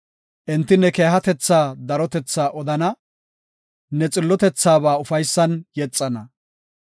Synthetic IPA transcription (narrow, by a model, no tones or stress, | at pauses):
ʔɛnt̪ːɪnːɛke̞ːɦɐt̪ɛt͡sːaːd̪ɐɾɔt̪ɛt͡sːaːʔɔd̪ɐnɐ | nɛt͡sʼɪlːɔt̪ɛt͡sːaːβaːʊfɐjsːɐnjɛt͡sʼːɐnɐ